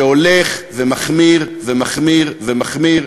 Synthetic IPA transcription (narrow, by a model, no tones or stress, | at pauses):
eoleχvemaχmiʁvemaχmiʁvemaχmiʁ